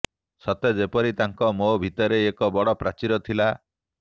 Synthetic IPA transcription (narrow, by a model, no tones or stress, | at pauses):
sɔt̪ed͡ʒepɔɾit̪aŋkɔmobʱit̪ɔɾeːkɔbɔɽɔpɾat͡ʃiɾɔt̪ʰila